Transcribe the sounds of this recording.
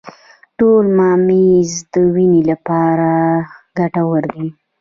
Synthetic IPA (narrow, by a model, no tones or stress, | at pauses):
ʈolmɑmizd̪əwinelapɑɾaɡaʈawəɾd̪i